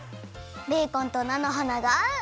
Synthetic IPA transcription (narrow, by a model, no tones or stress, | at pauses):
d̪ekɔnt̪ɔnanɔɦɔnaɡa